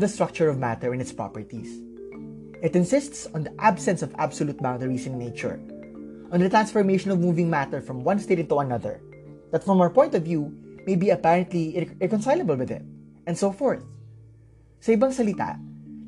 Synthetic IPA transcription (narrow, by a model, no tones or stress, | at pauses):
d̪ɐst̪ɹʌk̚t͡ʃʊɹɔvmæt̪ɛɹɪ̃nɪt̪spɹa̰pəɹt̪is | ʔɪt̪ɪ̃nsɪst̪sɔ̃nd̪ɐʔabsɛ̃nsɔva̰bsɔluːt̪̚bãw̃ndəɹisɪ̃nneɪt͡ʃʊ̰ɹ | ʔɔ̃nd̪ɐt̪ɹãnsfɔɹmeɪʃɔ̃nɔvmuvɪ̃ŋmæt̪əɹfɹɔ̃mwʌ̃nst̪eɪt̪ɪ̃nt̪uɐnɐðə̰ɹ | d̪ɐt̪fɹɔ̃mɐəɹpɔ̃j̃nt̪ɔvjumejbiɐpæɹɐ̃nt̪liɹɛkɔ̃nsajləbəlwɪðɪ̰t̪̚ | ɛ̃nd̪soʊfɔɹθ | sɐɪbɐ̃ŋsɐlɪt̪a̰